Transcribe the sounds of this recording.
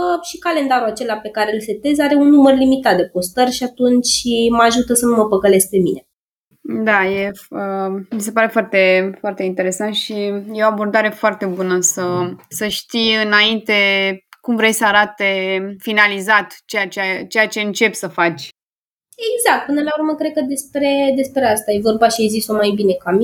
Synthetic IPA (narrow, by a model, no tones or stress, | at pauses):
ʃikale̞nd̪aɾuat͡ʃe̞lape̞kaɾelse̞t̪e̞zaɾe̞unːumərlimit̪at̪̚d̪epo̞st̪ərʲʃiat̪unt͡ʃʲməaʒut̪əsənuməpəkəle̞s̚pe̞mine̞ | d̪aje̞əmis̬e̞paɾe̞foart̪efoart̪e̞int̪e̞ɾe̞sant̪ʃijeo̞abo̞rd̪aɾe̞foart̪e̞bunəsəsəʃt̪ijɨnaint̪e̞kumvɾejsəaɾat̪e̞finalizat̪t͡ʃeat͡ʃeat͡ʃe̞jat͡ʃe̞ɨnt͡ʃe̞psəfat͡ʃʲ | eɡzak̚t̪̚pɨnəlaurməkɾe̞d̪̚kəd̪e̞spɾe̞d̪e̞spɾeast̪aje̞vo̞rbaʃiajziso̞majbine̞kami